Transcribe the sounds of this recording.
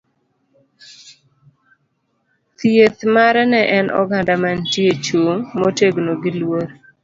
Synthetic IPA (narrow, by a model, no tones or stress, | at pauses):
tjet̪maɾɛnɛʔɛnʔɔ̰ɡandamantiet͡ʃuŋmoteɡnoɡɪlwoɾ